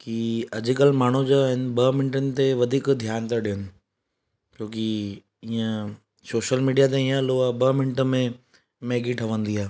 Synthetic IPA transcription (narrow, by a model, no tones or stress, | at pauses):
kiɐd͡ʑɪkəlmaːɳ̤ud͡ʑoɦɪn̆bɐmɪnɪʈənɪ̆t̪eʋɐd̪ʱiːkd̪ʱjaːnt̪aɗiənɪ̆ | koːki | iːə̃ | soːʃəlmiːɖijat̪̬eĩjə̃loabɐmɪnɪʈə̆mẽ | meːɡiʈʰɐʋə̃nd̪iɦaː